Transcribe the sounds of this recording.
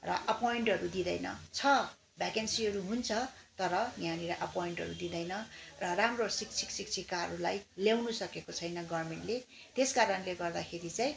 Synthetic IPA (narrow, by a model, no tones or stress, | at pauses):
rʌ̰ʔʌpoiɳʈɦʌɾud̪id̪ʌjnʌ̰t͡sʰʌ | bʱakensiɦʌɾuɦunt͡sʰʌt̪ʌɾʌnjaniɾaʔʌpojiɳʈɦʌ̰ɾṵd̪id̪ʌjnʌrʌramrosikt͡sʰiksikt͡sʰikaʌ̰ɾulajljawnusʌkekot͡sʰʌjnʌɡʌrmeɳʈle | t̪eskaɾʌnleɡʌrd̪akʰeɾit͡saj̃